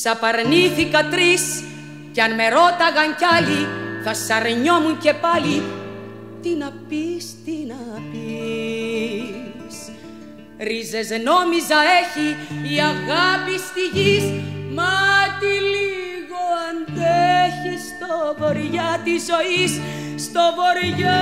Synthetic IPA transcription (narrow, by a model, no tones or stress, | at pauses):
sɐpɐɾniθikɐt̪ɾis | ceɐnme̞ɾo̞t̪ɐɣɐɲcɐliθɐsɐɾɲo̞muɲce̞pɐli | t̪inɐpist̪inɐpi | s | ɾize̞zno̞mizɐe̞çiːɐɣɐpist̪iʝismɐt̪ili | ɣoɐnd̪eçist̪oovoɾʝɐt̪izo̞isː | t̪o̞vo̞ɾʝɐ